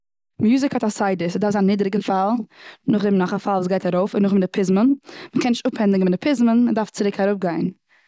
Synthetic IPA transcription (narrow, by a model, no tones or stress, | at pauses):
mjuːzɪkhɔtasaɪdɪsədaɾfzaniːdɾɪɡənfalˠnʊχdɪmnɔχafalˠvuːs̬ɡaɪtaɾoʊfɪnʊχmɪdɪpʰɪzmənməkɛnɪʃtʊphɛndɪɡəmɪdɪpʰɪzmənmədaɾft͡sɪɾɪkʰaɾʊp̚ɡaɪn